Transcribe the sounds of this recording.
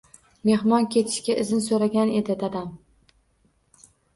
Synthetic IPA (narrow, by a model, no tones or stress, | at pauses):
me̞hmɒnkʲe̞t̪ʰɪ̥ʃkʲaʔɪzɪnsoɾaɡʲane̞d̪ɪt̪ad̪am